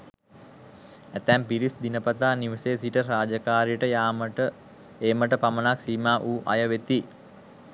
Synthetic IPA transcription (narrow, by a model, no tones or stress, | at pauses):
æt̪æmpiɾisd̪inəpat̪aːniʋəseːsiʈəɾaːd͡ʒəkaːɾijəʈəjaːmə | eːməʈəpamənaksiːmaːʔuːʔa̰jəʋet̪i